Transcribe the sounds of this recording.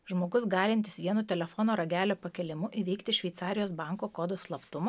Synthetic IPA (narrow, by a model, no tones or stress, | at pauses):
ʒmoːɡʊsɡɑːlʲɪnʲt̪ʲɪ̥sʋʲiɛnut̪ʲɛlʲɛfɔːnoːɾɐɡʲæːlʲoːpɐkʲɛlʲɪmʊʔiʋʲɛɪkt̪ʲɪʃʲʋʲɛɪt̪sɑːɾʲɪjoːsbɑˑŋkoːkoːd̪oslˠɐpt̪ʊmɐ